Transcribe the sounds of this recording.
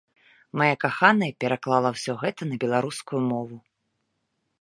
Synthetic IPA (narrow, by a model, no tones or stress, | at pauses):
majakaxanɐjpʲɛɾaklˠalˠɐwsʲɔɣɛt̪ɐnɐbʲɛlˠaɾuskujumɔvu